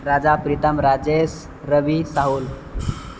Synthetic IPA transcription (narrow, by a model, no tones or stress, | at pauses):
ɾad͡ʒapɾit̪əmɾad͡ʒes | ɾəʋisaɦul